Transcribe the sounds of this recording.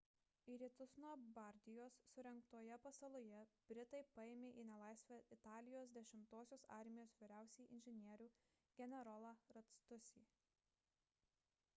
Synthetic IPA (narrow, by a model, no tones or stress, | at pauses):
iːɾʲiːt̪ʊsnuɔbɐɾʲd̪ʲɪjoːsːʊɾʲɛŋk̚t̪oːjɛpɐsɐlˠʊjɛb̥ʲɾʲɪt̪ɐɪpɐeːmʲeːʔiːnʲɛlˠɑˑɪsʲʋʲɛɪt̪ɑːlʲɪjoːs̬d̪ʲɛʃʲɪmt̪oːsʲoːsɑˑɾʲmʲɪjoːsʋʲiːɾʲæˑʊsʲɛjʔɪ̰nʲʒʲɪnʲiɛɾʲuː | ɡʲɛnʲɛɾɔlˠɐɾɐt̪st̪ʊsʲḭː